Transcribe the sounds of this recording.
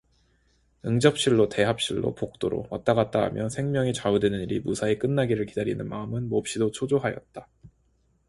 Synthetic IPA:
ɯŋd͡ʑʌp̚ɕ͈iɭːote̞ɦap̚ɕ͈iɭːo̰pok̚t͈oɾo̰wat͈aɡat̚t͈aɦmjʌsʰe̞ŋmjʌŋit͡ɕaudwenɯniɾimusʰaek͈ɯnːaɡiɾɯɭkidaɾinɯnmaɯmɯnmop̚ɕ͈idot͡ɕʰod͡ʑoɦajʌ̰t̚t͈a

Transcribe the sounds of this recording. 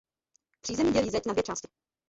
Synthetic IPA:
pr̥iːzɛmɲiɟɛliːzɛcnad̪vjɛt͡ʃaːscɪ̥

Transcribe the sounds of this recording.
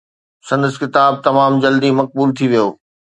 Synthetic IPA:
sɐ̃nd̪əskɪt̪aːb̚t̪ɐmaːmd͡ʑɐld̪imɐk̚buːlt̪ʰiʋijoː

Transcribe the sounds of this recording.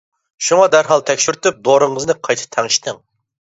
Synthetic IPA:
ʃuŋɑd̪æɾɦɑlˠt̪ʰɛkʲʃyɾt̪yp̚d̪oɾɨŋəznɨqʰɑjt̪ʰɨ̥t̪ʰɑŋɨʃt̪ɨŋ

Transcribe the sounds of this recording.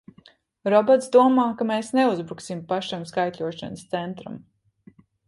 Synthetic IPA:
ɾɔbɔt̪sd̪uɔmaːkameːsneuzbɾuksimpaʃamskajt̪lʲuɔʃa̰nəst̪sɛnt̪ɾa̰m

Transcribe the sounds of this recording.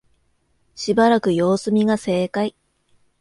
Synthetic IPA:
ɕibaɾakɯ̟jo̞ːsɨmʲiɡase̞ːkai

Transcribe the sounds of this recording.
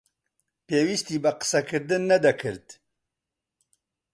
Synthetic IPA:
peːwist̪iːbɐqɨ̥sɛkʰɨɾd̪ɨnːɐd̪ɛkʰɨɾd̪

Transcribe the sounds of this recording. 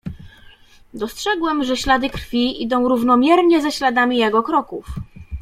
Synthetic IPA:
d̪ɔstʂɛɡwɛmʐɛɕlad̪ɘkɾ̥fʲiʔid̪ɔ̃w̃ɾuvnɔmʲjɛɾɲɛzɛɕlad̪amʲijɛɡɔkɾɔkuf

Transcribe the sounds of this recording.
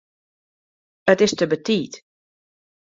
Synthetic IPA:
ətɪstəbətiːt

